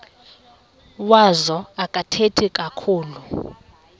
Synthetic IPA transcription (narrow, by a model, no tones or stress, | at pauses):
wazɔakʼatʰetʰikʼakʰuːlu